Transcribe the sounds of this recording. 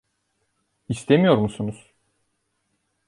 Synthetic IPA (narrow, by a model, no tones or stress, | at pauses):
ist̪ʰemijo̞ɾmusunuz̥